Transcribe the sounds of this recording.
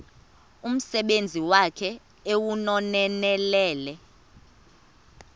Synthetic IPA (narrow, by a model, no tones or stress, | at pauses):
um̩sɛɓend͡zʱiwakʰɛ | ewunɔnɛnɛlɛːlɛ